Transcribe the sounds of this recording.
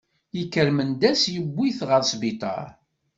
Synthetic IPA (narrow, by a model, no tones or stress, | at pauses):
jikːəɾmənd̪æsjəbːiθʁəɾsbit̪ˤɑ̰ɾ